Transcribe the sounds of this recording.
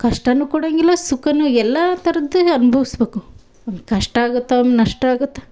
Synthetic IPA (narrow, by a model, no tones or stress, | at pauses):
kɐʂʈɐnːukuːɽɐŋɡilːɐsukɐnuɛlːɐt̪ɐɾɐd̪ːuɐnubʱɐʋisbeːku | ɐmkɐʂʈɐaːɡut̪ːeomnɐʂʈɐaːɡut̪ːe̥